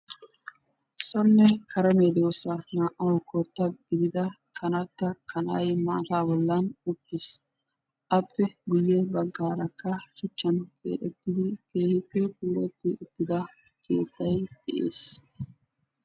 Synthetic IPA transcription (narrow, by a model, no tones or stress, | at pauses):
sɔnːɛkʰɐɾɐmeːd̪ɾoːsɐnaːʔɐwkːɔt̪ːɐɡɪd̪ɪd̪ɐ | kʰɐnɐt̪ːɐkʰɐnɐ̰jma̰ːt̪aːbɔlːɐnʊt̪ːɪs | ʔɐpːɛɡʊjːɛbɐɡːaːɾɐkːɐfɪt͡ʃːɐnkʰḛːᶑɛt̪ːɪd̪ɪke̞ːhɪpːɛkuːɾɛt̪ːɪʔʊt̪ːɪd̪ɐ | kʰe̞̰ːt̪ːɐjd̪̥ɛʔḛːs